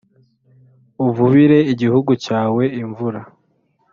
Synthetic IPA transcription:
uvuβiɾe̞iɟihuɡucaːwe̞iɱvuɾa

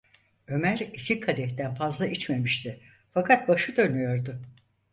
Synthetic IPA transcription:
ø̞mæɾicʰikʰad̪ɛçt̪ænfazlˠait͡ʃme̞miʃt̪ʰɪ | fakʰat̪̚baʃɯd̪ø̞nyjo̞ɾd̪ʊ

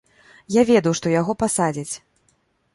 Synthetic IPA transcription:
javʲɛd̪ɐwʂt̪ɔjaɣɔpasad͡zʲit͡sʲ

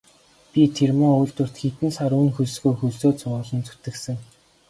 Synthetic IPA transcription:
pʲit̪ʰermɔujɮt̪ʊ̆r̥t̪xit̪ɘ̆nsaɾɵŋxɵɮɣujxɵɮsoːt͡sʰʊʁʊːɮɞ̆nt͡sʰu̥t̪ɘ̆ksɘ̆ŋ

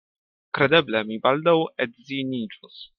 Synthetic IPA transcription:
kɾed̪ɛblemibald̪awed̪zinid͡ʒus

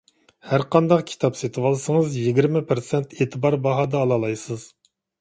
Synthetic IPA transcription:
hæɾqʰɑnd̪ɑqkʲʰi̥t̪ʰɑpset̪ʰɨwɑlˠsɨŋɨzjiɡʲiɾmɪpʰɨɾsɛnt̪ʰeːt̪ʰɨbɑɾbɑɦɑːd̪ɑːlˠɑlˠɑjsɨz̥

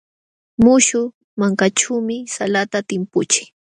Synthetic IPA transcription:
mʊʃʊ | maŋkaʈ͡ʂuːmɪsalat̪at̪ɪmpʊt͡ʃɪ̥j

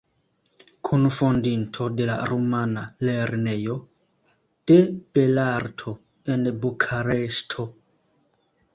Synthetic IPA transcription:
kʰunfondintʰo̞de̞la̰ɾomanaleɾne̞jo̞ | d̥eb̥elaɾtʰo | enbukʰaɾestʰo

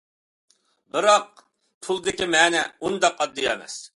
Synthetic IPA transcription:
bɨɾɑq̚ | pʰulˠd̪ɪkʲimɛːnɛund̪ɑqɑd̪ːɨjɑ̰nɛ̰s

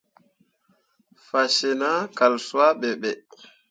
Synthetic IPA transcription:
faʃɛnakalswaɓɛɓɛ

